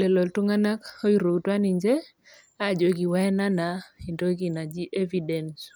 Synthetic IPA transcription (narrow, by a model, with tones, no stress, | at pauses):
lɛ˨lɔ˨ltu˦ŋa˦na˦ko˦i˦ɾo˨ɡtwa˦ni˨ɲd͡ʒe˦ | a˦˨d͡ʒo˨ɡi˨wɛ˦na˦na˨e˨ndo˦ɡi˨na˨d͡ʒi˦ʔe˦vi˨dɛ˨ns